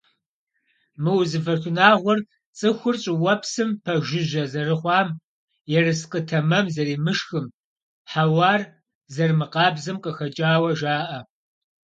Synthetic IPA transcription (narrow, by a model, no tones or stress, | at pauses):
mɨwʊzɨfɐrxɨnaːʁʷɔr | t͡sʼɨxʷʊrɕʼɪwɐpʰsɨmpʰɐʒɪʑɐzɐrɨχʷɑːm | jɛrɨsqətʰɐmɐmzɐɾiːmɨʃxɨm | ħawɑːr | zɐrmɨqɑːbzɨmqʼəxɐt͡ʃʼaːwɐʒaːʔɐ